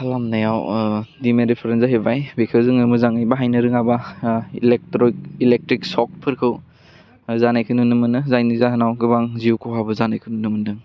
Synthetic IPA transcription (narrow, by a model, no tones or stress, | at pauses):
kalamnajawdimeɾipʰeɾenzaɦebajbekʰɯzɯŋnɯmɯzaŋɯjbaɦajnɯɾɯŋabailek̚ɾɔk̚ilek̚tɾik̚sɔk̚pʰɯɾkʰɯw | zanajkʰɯnunɯmɯnɯzajnizaɦanawɡɯbaŋziukʰowɦabɯzanajkʰɯnunɯmɯndɯŋ